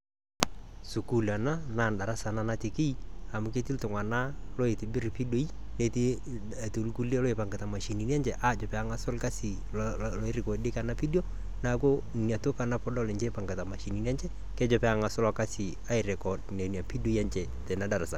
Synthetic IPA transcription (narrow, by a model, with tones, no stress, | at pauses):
su˨ku˨la˨na˦na˦˨nda˨ɾa˦sa˨na˦na˦tɪ˨kɪ˦i˦a˨mʊ˨ke˦tɪ˦ltʊ˨ŋa˨na˦lɔ˦ɪ˨tɪ˨bɪ˦ɾpi˦do˦i˦ | ne˨ti˦˨ | to˨lku˦le˦lɔ˦ɪ˨pa˨ŋɡɪ˨ta˨ma˨ʃi˨ni˨n˦a˦nd͡ʒɛ˨ʔa˦˨d͡ʒɔ˨pɛ˨a˨ŋa˨sʊ˦lka˦sɪ˨ | lɪ˦ɾɪ˨kɔ˨dɪ˦ka˨na˦pi˦djo˦ | na˦ko˦n˨nja˨tʊ˦ka˨na˦pɔ˦dɔ˦lɛ˨d͡ʒɛ˦pa˨ŋɡa˨ta˨ma˨ʃi˨ni˨n˦a˦nt͡ʃɛ˦ | kɛ˦d͡ʒɔ˨pɛ˦a˨ŋa˨sʊ˦lɔ˨ka˦sɪ˨ | a˦ɪ˨ɾɪ˨kɔ˨dnɛ˨nja˨pi˦do˦i˦a˦nt͡ʃɛ˨ | tɛ˨na˦da˨ɾa˨sa˨